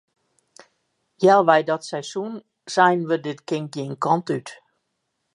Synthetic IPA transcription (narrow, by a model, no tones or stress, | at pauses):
jɛlˠʋɛjdɔtsɛjsun | sɛjnʋədɪtkɪŋk̚ɡjinkɔntyt